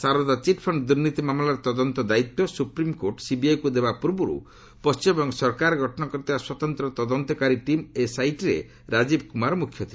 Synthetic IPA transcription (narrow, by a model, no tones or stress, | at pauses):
saɾɔd̪at͡ʃiʈpʰɔɳɖd̪uɾnit̪imamlaɾt̪ɔd̪ɔnt̪ɔd̪ait̪ːɔsupɾimkoɾʈsibiajkud̪ebapuɾbuɾṵ | pɔst͡ʃimebɔŋsɔɾkaɾɡʱɔʈɔnɔkɔɾt̪ʰibaswɔt̪ɔnt̪ɾɔt̪ɔd̪ɔnt̪ɔkaɾiʈimesajʈiɾḛ | ɾad͡ʒibkumaɾmukʰːjɔt̪ʰi